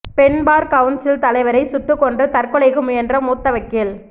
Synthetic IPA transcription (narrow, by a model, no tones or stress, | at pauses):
pɛnbaːɾkɐʋʊnsɪlt̪ɐlɐɪʋɐɾɐɪsʊʈrɯkːɔndrɐt̪ɐrkɯɭɐɪɣɯmʊjɛndrɐmuːt̪ːɐʋɐkːɪl